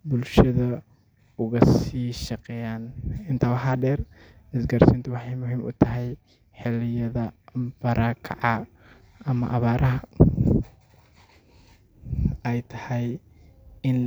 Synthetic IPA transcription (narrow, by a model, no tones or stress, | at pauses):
bʊlʃɐðɐ | ʊɣɐsiːʃɐqɛjaːnɪnt̪ʰɐwɐħaːɖɛːrɪsɡɐrsɪnt̪ʰɐwɑħɑjmʊɦiːmʊ̰t̪ʰɐɦɛj | ħɪlɪjɐðɐb̥ɐɾaːkʰɐ̰ʕɑ | ɐmɐ̰ʔɐβaːɾʔɐɦɐ | ɛjt̪ʰɐ̥hɛj | ɪn